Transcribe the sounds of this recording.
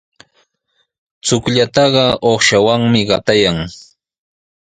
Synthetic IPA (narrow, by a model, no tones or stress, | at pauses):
t͡sʊkʎat̪ɑɢɑoχʃawaŋmɪɢɑt̪ajaŋ